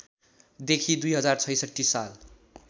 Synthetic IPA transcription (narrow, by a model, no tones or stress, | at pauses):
d̪ekʰid̪ujɦʌd͡zart͡sʰʌjsʌʈːisal